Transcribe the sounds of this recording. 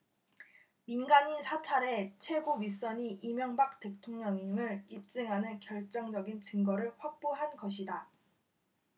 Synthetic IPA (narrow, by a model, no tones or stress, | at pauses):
minɡaɲinsʰat͡ɕʰaɾe̞t͡ɕʰwe̞ɡoɥis͈ʌɲiʔimjʌŋbak̚t͈e̞ktʰoŋɲʌŋimɯɾip̚t͡ɕ͈ɯŋɦanɯnkjʌɭt͡ɕ͈ʌŋd͡ʑʌɡint͡ɕɯŋɡʌɾɯɭɸwak̚p͈oɦanɡʌɕʰida